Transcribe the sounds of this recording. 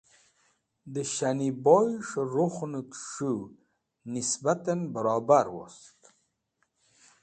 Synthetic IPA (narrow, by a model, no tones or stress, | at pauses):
d̪əɕanibojʂɾoχnut̪ʂu | nisbat̪anbəɾɑbaɾwo̰st̪